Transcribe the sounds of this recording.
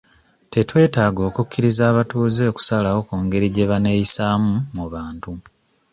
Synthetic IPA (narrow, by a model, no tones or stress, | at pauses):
te̞twe̞ːtaːɡo̞ːkukːiɾizaːβatuːze̞oku̥salawo̞kuːŋɡe̞ɾiɟe̞βane̞jisaːmumuβaːntu